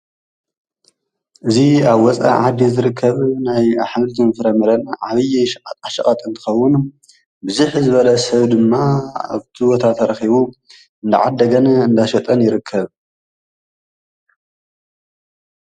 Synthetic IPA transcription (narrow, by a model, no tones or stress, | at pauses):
ʔɨziaβwɔt͡sʼa̰ʕad̪ːizɨɾɨkʰːɐβnajaħmlzɨmfɨɾɐmɐɾɐnʕaβɨj̪ʼaʃɐχʼɐt̪ʼɨnt̪ʰɨ̥xɐwːʊn | bɨzuħzɨβɐlɐsɐβd̪ɨmːaa̰βt̪ʰibot̪ʰat̪ʰɐɾɐxiβu | ɨnd̪a̰ʕad̪ːɐɡɐnɨnd̪aʃɐt̪ʼɐnjɪɾɨkʰːɐβ